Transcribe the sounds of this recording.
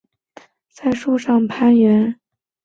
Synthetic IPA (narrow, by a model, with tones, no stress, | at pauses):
t͡sa˥˩ɪʂu˥˧ʂɑ˥˩ŋpʰa˥nɥɛ˧˥n